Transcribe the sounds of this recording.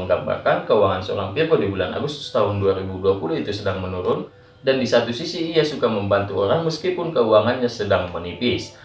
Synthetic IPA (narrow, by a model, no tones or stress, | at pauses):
əŋɡamba̰rkankəuwaŋansəo̰ɾaŋpirɡodibulana̰ɡust̪ʊ̥st̪aɦʊnduaɾibuduapulʊhit̪usədaŋmənuɾʊn | dandisat̪usisiːasukaməmbant̪uo̰ɾaŋməskipʊnkəuaŋanɲasədaŋmənipɪs